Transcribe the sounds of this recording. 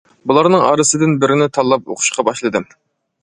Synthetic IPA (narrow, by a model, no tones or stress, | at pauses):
bulˠɑɾnɨŋɑ̰ɾɨsɨd̪ɪnbɪɾɪnɪt̪ʰɑlˠːɑp̚o̰qʰʊ̥ʃqʰɑbɑʃlˠɨd̪ɨ